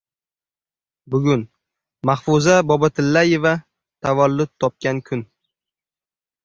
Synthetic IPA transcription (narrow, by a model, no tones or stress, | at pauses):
bʊɡʲʊn | mahfʊzabɒbat̪ʰɪlːaje̞va | t̪ʰavalːʊt̪ʰːɒp̚kʲankʰʊn